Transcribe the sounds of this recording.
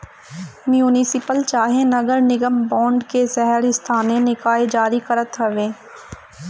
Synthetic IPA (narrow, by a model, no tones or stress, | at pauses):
mjuːnɪsɪpəlt͡ʃaːɦẽnɐɡəɾnɪɡəmbɔ̃ːɳɖkesɛɦəɾɪst̪ʰaːnẽnɪkaːed͡ʒaːɾikɐɾət̪ɦɐʋẽː